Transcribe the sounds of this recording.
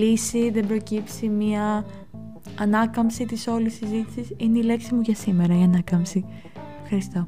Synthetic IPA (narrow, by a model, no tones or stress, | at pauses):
isiðembɾo̞cipsimɲɐ | nɐkɐmsit̪iso̞lisizit̪i̥sisineile̞ksimuʝɐsime̞ɾɐiɐnɐkɐmsi | efxɐɾist̪o̞